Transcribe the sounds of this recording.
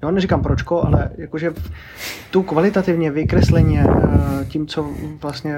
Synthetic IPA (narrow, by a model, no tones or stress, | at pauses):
jonɛrikampɾot͡ʃkoʔa̰lɛ̰jakoʒɛ | t̪ukvalɪt̪at̪ɪvɲɛvɪkɾɛslɛɲɛcimt͡sovlast̪ɲɛ